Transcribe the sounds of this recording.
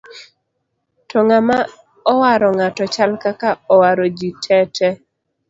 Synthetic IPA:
tɔŋama | ɔwaɾɔŋatɔt͡ʃalkakaɔwaɾod͡ʒitʰɛtʰɛ

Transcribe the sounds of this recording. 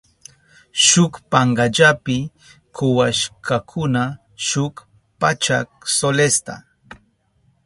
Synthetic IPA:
ʃʊkpaɴɡaʎapɪ | kʊwaʃkʰakʰʊna | ʃʊk | pat͡ʃak̚solest̪a̰

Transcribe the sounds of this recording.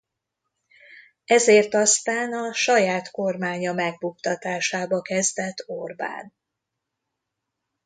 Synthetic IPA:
ɛzeːrt̪ɒst̪aːnɒʃɒjaːt̪ko̞rmaːɲɒmɛɡ̚bukt̪ɒt̪aːʃaːbɒkɛzd̪ɛt̪ːorba̰ːn

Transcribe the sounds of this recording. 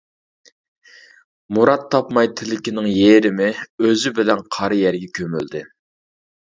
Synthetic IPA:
muɾɑt̪ʰːɑpmɑjt̪ʰɪlɪkʲinɪŋjeɾɪmɪøzɪbɪlɛnqʰɑɾɨjɛɾɡʲɛkʲʰømy̰ld̪ɪ

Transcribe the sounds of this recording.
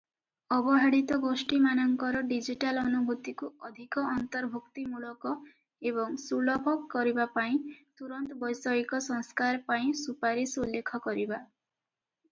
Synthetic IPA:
ɔbɔɦaɽit̪ɔɡosʈimanɔŋkɔɾɔɖid͡ʒiʈalɔnubʱut̪ikuɔd̪ʱikɔːnt̪ɔɾbʱukt̪imuɭɔkɔ | ebɔŋsuɭɔbʱɔɡkɔɾibapaĩt̪uɾɔnt̪ɔbɔjsɔikɔsɔŋskaɾpaĩsupaɾisulːekʰɔkɔɾiba

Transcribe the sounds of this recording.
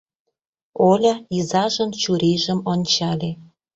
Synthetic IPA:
olʲɑizɑʒɤ̆nt͡ɕuɾeʒə̆monʲt͡ɕɑlʲe

